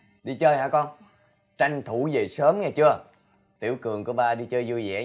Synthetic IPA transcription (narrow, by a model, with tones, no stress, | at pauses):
ɗi˧t͡ɕəː˧jha̰ː˧˦kɔ˧n | t͡ɕa˧jŋ̟t̪ʰu˧˩˦zə˨˩səː˨˦mŋaː˨˩jt͡ɕɨ˧ə | t̪ḭ˧˩əwkɨ˨˩əŋku˧˩˦əɓaː˧˩ɗi˧t͡ɕəː˧jzu˧jzɛ̰˧˥